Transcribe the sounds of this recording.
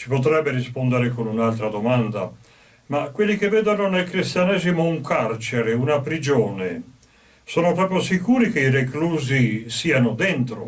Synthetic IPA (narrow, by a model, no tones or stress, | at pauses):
t͡ʃi̥pot̪̬ɾɛbːeɾispond̪eɾekonunalt̪ɾad̪omand̪a̰ | makwelːikevːeːd̪anonelkɾist̪janɛːzimouŋkʰart͡ʃeɾeunapɾid͡ʒoːne | soːnopɾɔːpɾjosikuːɾik̟eirekluːzisiːanod̪ɛnt̪ɾo̰